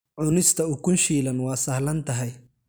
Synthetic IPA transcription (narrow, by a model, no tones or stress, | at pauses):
ʕʊnɪst̪ʰɐʊkʰʊnʃiːlɐnwɑːsɐhlɐnt̪ʰɐɦɛj